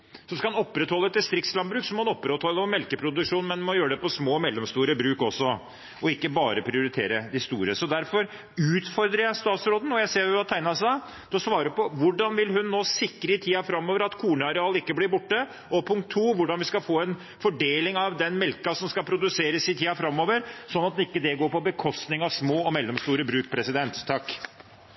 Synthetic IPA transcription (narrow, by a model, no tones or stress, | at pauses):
sɔmskɑhʊnɔpːɾɛt̪hɔlːəɛt̪̚d̪ɪst̪ɾɪkt̪slɑnbɾʉːksɔmɔhɑnɔpːɾɛt̪hɔlːəɔmɛlkəpʰɾʊd̪ʉkʂuːnmɛnmɔjøːɾəd̪ɛpɔsmoːmɛlːɔmst̪uːɾəbɾʉːkɔsːɔ | ʔɔɪkːəbɑːɾəpʰɾɪʊɾɪt̪ʰḛːɾəd̪ɪst̪uːɾəsɔd̪æɾfɔɾ | ʉːt̪fɔɾd̪ɾəjæɪst̪ɑːt̪sɾoːd̪n̩ɔjæɪseːɾʊʋɑt̪ʰæɪnɑsɑ | d̪̥ɔsʋɑːɾəpɔʋʊɖɑnʋɪlɦʉnːoːsɪkːɾəɪt̪ʰiːɑfɾɑmːoːʋəɾɑt̪kʰuːɳəɑɾɛɑːlɪkːəblɪɾbʊʈːə | ʔɔpʰʊŋkt̪ʰːuːʋʊɖɑnʋɪskɑfoːɛn | fɔɖeːlɪŋɑʋd̪ɛnmɛlkɑsɔmskɑlpʰɾʊd̪ʉseːɾəsɪt̪ʰiːɑfɾɑmːoːʋəɾsɔnːɑt̪̚d̪ɛɪkːəd̪ɛɡoːɾpɔbəkʰɔst̪nɪŋɑʋsmoːɔmɛlːɔmst̪uːɾəbɾʉːk̚pʰɾɛsɪd̪ɛnt̪ʰːɑkː